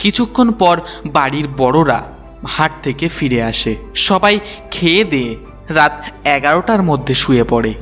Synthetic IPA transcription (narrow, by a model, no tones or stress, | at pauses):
kit͡ɕʰukʰːonpɔɾbaɽiɾbɔɽoɾa̰ | haʈ̚t̪ʰekefiɾeaʃeʃɔbajkʰeed̪ee | ɾat̪ɛɡaɾoʈaɾmod̪ʱːeʃujepɔɽe